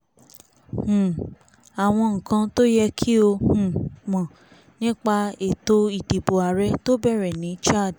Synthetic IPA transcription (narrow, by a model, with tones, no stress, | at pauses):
h̩˨ | a˨w̃ɔ̃˧ŋ̩˨kã˧to˦jɛ˧kʰi˦o˧hũ˨mɔ̃˨ | nĩ˦k͡pa˧e˨to˧i˨di˨bo˨a˨ɾɛ˨˦to˦bɛ˦˨ɾɛ˨nĩ˨˦t͡ʃa˦˨d